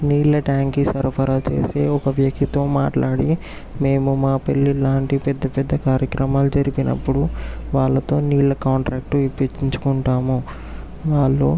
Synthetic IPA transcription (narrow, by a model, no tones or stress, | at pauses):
niːɭlɐʈaːŋkisɐɾpʰɐɾaːt͡ʃe̞̰ːse̞ːɔkɐʋjɐk̚t̪it̪o̞ːmaːʈlaːɽi | me̞ːmumaːpelːilaːɳʈipɛd̪ːɐpɛd̪ːɐkaːɾjɐkɾɐmaːlud͡ʒɐɾipinɐ̰pːuɽuʋaːɭːɐt̪o̞ːniːɭlɐkaːɳʈɾaːk̚ʈuʋipːit͡ʃːiɲt͡ʃu̥kuɳʈaːmu | ʋaːɭːoː